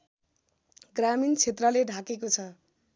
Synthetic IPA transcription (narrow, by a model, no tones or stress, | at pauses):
ɡramint͡sʰet̪rʌleɖʱakekot͡sʰʌ